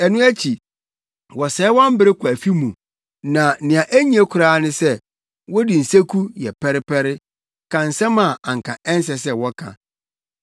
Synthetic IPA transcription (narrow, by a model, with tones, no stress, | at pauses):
ɛ˨nũ˦æ˦t͡ɕʰi˨ | wɔ˨sɛː˨˦wɔ̃˦m̩˦bɪ˦ɾɪ˦kʊ˨æ˨fi˦mũ˨ | nã˨˦nɪ̃˨ã˨ʔæ˦ɲĩ˦ɛ˦kʰʊ˨ɾaː˦nʊ̃˦sɛ˦ | wɔ˦di˨n̩˨se˦kʰu˦jɛ˨pʰɛ˦ɾɪ˦pʰɛ˦ɾɪ˦ | kʰã˨n̩˨sɛ̃˦mã˨ã˨ŋ˨kʰã˨ʔɛ̃˦n˦s̬ɛ˨s̬ɛ˦wɔ˦kʰã̰˨